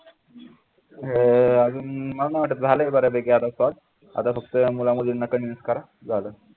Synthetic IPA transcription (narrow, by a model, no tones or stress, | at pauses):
ɦead͡zuːnməɽanaʋaʈːət̪d͡zʱaləebaɾabeɡead̪asɔɽ | a̰d̪afʰək̚t̪əmulaməd̪innːakəninəskaɾa | d͡zalə